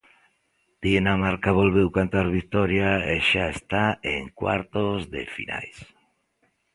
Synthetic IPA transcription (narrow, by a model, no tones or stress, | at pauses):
d̪̥inamaɾkaβolβewkant̪aɾβikt̪ɔɾjaeʃaest̪aeŋkwa̰ɾt̪ozðḛfḭna̰js